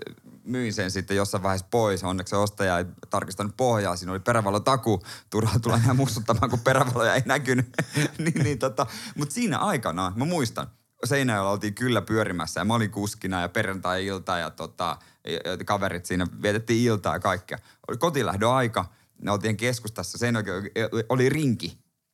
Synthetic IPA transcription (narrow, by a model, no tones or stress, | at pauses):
myinsensit̪ːejosːɑiʋɑihespoisonːekseost̪ɑjɑeit̪ɑrkist̪ɑnuppohjɑːsiːnoliperæʋɑlot̪ɑkut̪urɑt̪ulːɑnæːmust̪ut̪ːɑmɑːŋkupperæʋɑlojɑeinækynyniːnniːnt̪ot̪ɑmut̪siːnæ̰ʔɑikɑnɑmæmuist̪ɑ̰n | seinæjolːɑolt̪iːŋkylːæpyøɾimæ̰sːæjɑmæoliŋkuskinɑjɑperɑnt̪ɑjɑilt̪ɑjɑ̰t̪ot̪ɑ̰ | kɑʋerit̪siːnæʋiet̪et̪ːiːilt̪ɑ̰ːjɑ̰kɑikːiɑ̰ | okot̪ilæ̰hdøɑikɑ | neolt̪iːheŋkeskust̪æsːæseinokioliriŋki